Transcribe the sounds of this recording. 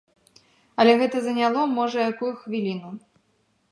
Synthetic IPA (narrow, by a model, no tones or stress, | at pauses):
ɐlʲɛɣɛt̪ɐzɐnʲalˠɔmɔʐɐjakujuxvʲilʲinu